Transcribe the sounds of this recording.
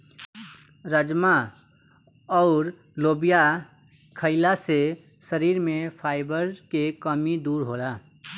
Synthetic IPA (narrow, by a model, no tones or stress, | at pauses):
ɾəd͡ʒma | ɔːɾ | loːbija | kʰəɪlase | səɾiːɾmẽpʰaːɪbəɾkekəmid̪uːɾɦola